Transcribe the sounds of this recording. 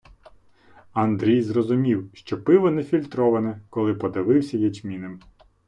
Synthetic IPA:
ɐnd̪ɾʲijzrɔzʊmʲiwʃt͡ʃɔpɪʋɔnɛfʲilʲt̪ɾɔʋɐnɛkɔlˠɪpɔd̪ɪʋɪwsʲɐjɛd͡ʒmʲinɪm

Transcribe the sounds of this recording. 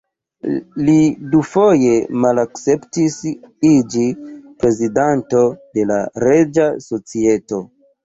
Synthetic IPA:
lidufo̞je̞malakt͡se̞ptisid͡ʒipɾe̞zidanto̞de̞la̰ɾe̞d͡ʒaso̞t͡sie̞to̞

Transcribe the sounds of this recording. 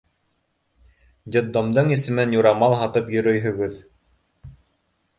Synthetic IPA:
d̪ʲed̪ːomd̪ɤɴisɘ̆mɘnjuɾɑmɑlˠɦɑt̪ɤpjɵ̆ɾɵjɦɵ̆ɡɘð

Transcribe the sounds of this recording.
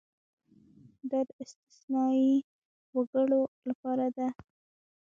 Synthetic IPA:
d̪ɑd̪əɪst̪ɪ̥snɑi | waɡəɽolapɑɾad̪a

